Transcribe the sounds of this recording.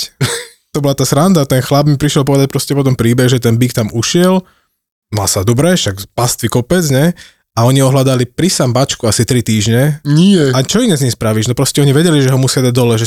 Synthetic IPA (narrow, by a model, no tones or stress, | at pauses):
t̪ɔbɔlat̪aːsɾand̪at̪ɛnxlabmipɾiʃjɛlpɔʋɛd̪ac̚pɾɔscɛpɔt̪̬ɔmpɾiːbɛɣʒɛt̪ɛnbikt̪amuʃɪɛl | ma̰sad̪ubɾɛʃaɡpast̪ʋikɔpɛd͡zɲɛ | aɔɲiɔɦlad̪alipɾisambat͡ʃkuasit̪ɾit̪iːʒɲɛniɛat͡ʃɔinɛzɲispɾaʋiʒnɔpɾɔscɛɔɲiʋɛɟɛliʒɛɦɔmusɪad̪aɟ̚d̪ɔlɛʒɛ